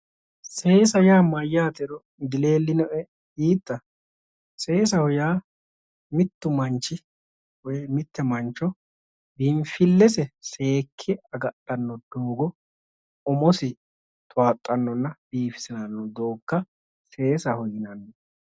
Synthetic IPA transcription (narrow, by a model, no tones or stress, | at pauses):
se̞ːsɐjaːmɐjːaːt̪ɛɾɔ | d̪ɪle̞ːlːɪnɔʔɛ | iːt̪ːɐ | se̞ːs̬ɐhʊjaː | mɪt̪ːʊmɐnt͡ʃːɪ | wɔjmɪt̪ːɛmɐnt͡ʃːɔ | bɪɱfɪlːɛsɛse̞ːkʰːɪɐɡɐtʼːɐnːɔd̪̥oːɡɔ | ɔmɔsɪ | t̪ʼʊwaːt̪ʼːɐnːɔnːɐb̥iːfɪ̥sɪnanːɔd̪o̞ːkːɐ | se̞ːsɐhɔjɪnɐnːɔ